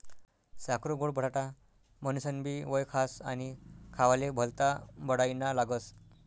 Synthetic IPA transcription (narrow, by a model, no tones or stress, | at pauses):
sakɾuɡoɽbʱəɽ̤aʈa | mənusənbiːʋəjkʰasanikʰaʋalebʱəlt̪abəɽajnalaɡəs